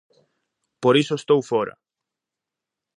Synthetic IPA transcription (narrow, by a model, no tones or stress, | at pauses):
poɾisoest̪owfɔɾɐ̰